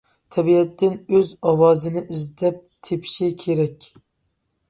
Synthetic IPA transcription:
t̪ʰɛbiɛt̪ʰːɪnøzɑwɑːzɨnɪʔizd̪ɛp̚t̪ʰepʰi̥ʃikʲʰeɾɛkʲ

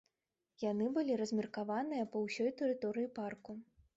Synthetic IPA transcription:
jan̪ɨbɨlʲiɾɐzʲmʲirkavanɨjɐpɐwsʲɔjt̪ɨɾɨt̪ɔɾɨjiparku

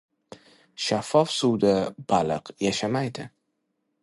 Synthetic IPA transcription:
ʃafɒfsud̪ab̥alɨ̰qjaʃamajd̪ɪ

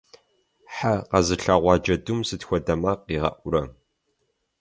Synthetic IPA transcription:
ħaqɐzɨɬaːʁʷɑːd͡ʒɐdumsɨtxʷɔdɐmaːqiːʁɐ̰ʔʷʊɾɐ

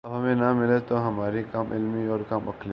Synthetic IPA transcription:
ɐɐmẽnamɪlet̪oːɦɐmaːɾikaːmʔɪ̰lmioːɾkamɐkʰle

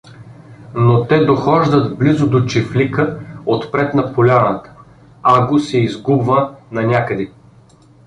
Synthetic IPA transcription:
not̪ɛd̪oxɔʒd̪ət̪blizʊd̪ot͡ʃiflikəot̪pɾɛt̪nɐpolʲanət̪ə̥ | aɡosɛizɡubvənɐnʲakəd̪i

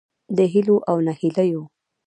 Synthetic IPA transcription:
d̪əɦiloʔawnahilajo

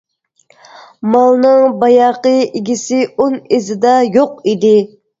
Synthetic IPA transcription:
mɑlˠnɨŋbɑjɑqəɪɡʲisɪʔonɪzɪd̪ɑjoqid̪ɪ

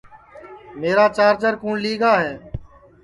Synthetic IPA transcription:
meːɾaːt͡ʃaːɾd͡ʒəɾkũːɳliːɡaːɦeː

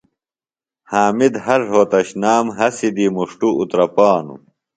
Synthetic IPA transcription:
haːmid̪hɐʐɦoːt̪ɐɕnaːmɦɐsid̪imuʂʈuut̪ɾɐpaːnṵ

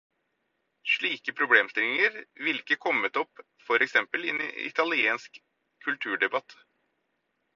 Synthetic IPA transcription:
ʂɭiːkəpʰɾʊbleːmst̪ɪlɪŋəɾʋɪlkəkʰɔmːət̪ɔp | fɔɾʔɛksɛmpəlɪnɪ̰t̪ɑlɪeːnsk | kʰːʉlt̪ʰʉːɖɛbɑt̪

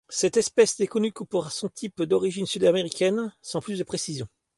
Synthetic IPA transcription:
sɛt̪ɛspɛsd̪ekɔnykupɔʁasɔ̃t̪ʰipd̪ɔʁiʒinsyd̪ameʁikʲɛnsɑ̃plysd̪əpχesizjɔ̃

